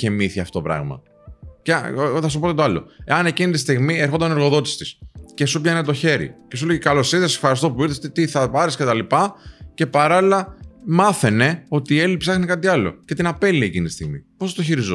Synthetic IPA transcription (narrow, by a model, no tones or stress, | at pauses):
çemiθiɐft̪ot̪pɾɐ̰ɣmɐ̰ | ceθɐs̬upot̪et̪ɐlo̞̰eɐne̞cinit̪ist̪iɣmieɾxod̪ɐnɾɣo̞ðo̞t̪i̥si̥t̪isce̞supʝɐnet̪o̞çe̞ɾḭce̞suleʝikɐlo̞seðɐsefxɐɾist̪o̞puiɾθest̪et̪iθɐpɐɾiscet̪ɐlipɐce̞pɐɾɐlilɐmɐθene̞o̞t̪iːe̞lipsɐxnekɐt̪iɐlo̞̰ce̞t̪inɐpe̞liecinit̪ist̪iɣmḭpo̞st̪oçiɾizo